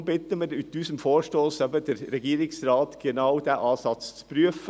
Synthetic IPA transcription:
bɪt̪ːəmɛd̪yt̪ʰʉːsən̩foːʃtoːsəbəd̪ɛɾɾɛɡiːɾɪŋsɾɑːt̪ɡ̥ənɑʊd̪æːʔɑːsɑt̪ssb̥ɾyəf

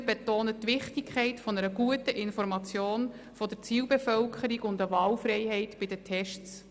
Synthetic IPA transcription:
betoːnətːʋɪχtɪkʰɛɪtfɔnəɾəɡuətəʔɪnfɔɾmɑt͡sjoːn | fɔd̥əɾt͡siːwbɛfœlkʰχəɾiɡʊndəʋɑːlfɾɛɪhɛɪtbɪdətʰɛʃtt͡s

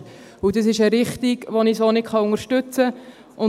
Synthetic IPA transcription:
ʊdəs̬ɪʃəɾɪχtiɡʋonisonɪtχɑʊŋəɾʃtʉt͡sə | ʊ

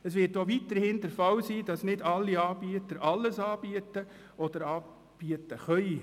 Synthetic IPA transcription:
ɛsʋɪːtoʋitːəɾhɪndəɾfɑwsiːd̥ɑsnɪdɑlːiɑːb̥iətəɾʔɑlːəsɑːb̥iətə | ɔd̥̪əɾɑː | b̥iətəχœi

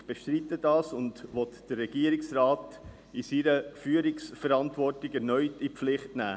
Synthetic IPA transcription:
b̥eʃtɾitːədɑːsʊndʋɔt̪d̥əɛɡ̥iəɾɪksraːt | ɪsiɾəfyːəɾɪksfəɾɑntvɔrtɪɡɛɾnœʏtipflɪχtnæ̰ː

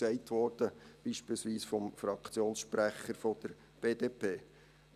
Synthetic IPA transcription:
sɛɪtʋɔɾd̥əb̥iːʃpiːlsʋiːsfɔmfɾɑkt͡sjoːnsʃpɾæχəɾfɔd̥əɾ | b̥eːd̥eːpʰeː

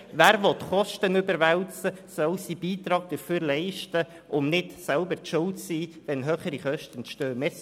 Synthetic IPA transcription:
væːɾʋɔt̪χɔʃtənʏbəɾʋɛæwt͡səsœlsibiːt̪ɾɑːɡ̚d̥̪əføːɾlɛɪʃtə | ʔʊmnɪtsɛlbəɾtʃʊltsiː | ʋɛnɦøːχəɾiχœʃtənʃtøːmɛs

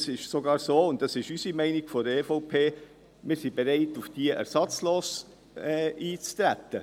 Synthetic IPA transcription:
sɪʃsoɡɑːɾsoːʊnt̚dɑsɪʃysimɛɪniɡ̥fɔdəefoʊpʰeː | mɪːɾsibeɾɛɪtufd̥iəʔɛ̰ɾsɑt͡sloːs | ɛːiːt͡st̪ɾæt̪ːə

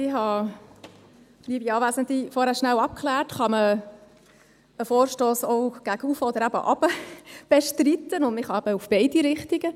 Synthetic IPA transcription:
ɪhɑ | liːəbiɑːʋæːsənt̪lifɔɾhæːɾʃnæwɑp̚kχlæːrtχɑmə | əfɔːɾʃtoːsɔʊɡ̥æɡufɔd̪əɾæb̥ə̰ʔɑb̥əb̥eʃtrit̪ənʊndmɪχhɑæb̥əufb̥ɛɪdiɾɪχt̪iɡə

